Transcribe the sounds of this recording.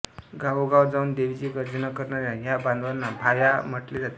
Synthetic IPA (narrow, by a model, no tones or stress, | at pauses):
ɡawɡawd͡zaund̪eʋd͡ʑiɡəɾd͡zənakəɾnaɾjaɦjabãnd̪ʋanːabʱajam̤əʈled͡zat̪e